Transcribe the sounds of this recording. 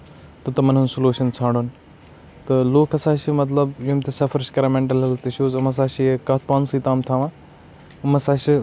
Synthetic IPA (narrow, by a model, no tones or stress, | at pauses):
t̪ɐt̪ɐmɐnunsuluːʃɐnt͡sʰãːɳɖon | t̪ɐloːkʰɐsãːʃimɐt̪̬lɐbjumt̪esɐfɐɾʃkɐɾaːmẽɳʈɐlɐlt̪iʃoːzɐmɐs̬ãːʃiekɐt̪ʰpaːnsiːt̪aːmt̪ʰaːʋãː | ɐmɐsaːʃi